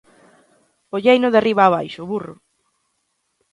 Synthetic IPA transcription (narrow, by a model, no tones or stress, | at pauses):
oʎejnʊðeriβ̞aːβ̞ajʃʊβurʊ